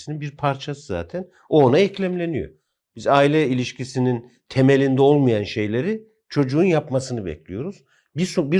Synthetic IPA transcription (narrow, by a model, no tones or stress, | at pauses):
ininbiɾpʰaɾt͡ʃʰasɯza̰ːt̪ʰɛn | o̞naɛclʲæmlʲe̞nijo̞̰ | b̥izaːilʲɛilʲiʃcisinin | t̪ʰeme̞lʲind̪ɛo̞lˠmujanʃe̞jlʲeɾi | t͡ʃʰo̞d͡ʒuunjapmasɯnɯbɛ̰clʲijo̞ɾuz̥ | bisobi